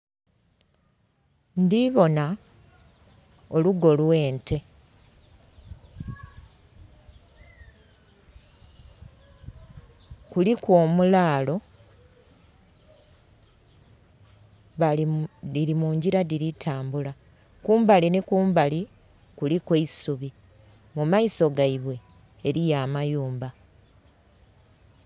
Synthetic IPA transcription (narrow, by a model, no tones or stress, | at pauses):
ndiβo̞na | oluɡo̞lwe̞ːntʰe̞ | kulikwo̞ːmulaːlo̞ | βadiɾimuːɲɟiɾadiɾitʰaːmbula | kuːmbalinikuːmbali | kulikweisuβi | mumaiso̞ɡaiβwe̞ː | ɾijaːmajuːmba